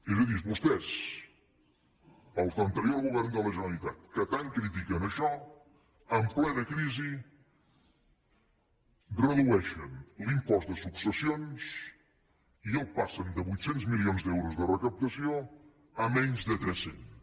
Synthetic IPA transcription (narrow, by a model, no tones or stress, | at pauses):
ezəðibust̪ɛs | əlˠfənt̪əɾioɾˠɣuβɛɾnd̪ələʒənəlˠit̪at̪̚kət̪aŋkɾit̪ikənəʃɔ | əmplɛðəkɾizi | rəðuɛʃənlimpɔzt̪d̪əsuksəsions | iəlˠpasənd̪əβujt̪senzmilionzd̪ɛwɾuzðərəkəp̚t̪əsio | əmɛɲzðət̪ɾɛsen